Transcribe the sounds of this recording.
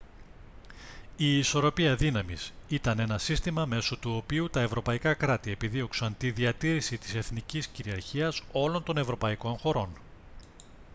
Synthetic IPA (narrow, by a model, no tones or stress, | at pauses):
iːso̞ɾo̞piɐðinɐmisit̪ɐne̞nɐsist̪imɐme̞sot̪uo̞piut̪ɐe̞vɾo̞pɐikɐkɾɐt̪ie̞piðio̞ksɐnt̪iðiɐt̪iɾisit̪i̥se̞θnicisciɾiɐɾçiɐso̞lo̞nt̪o̞ne̞vɾo̞pɐiko̞nxo̞ɾo̞n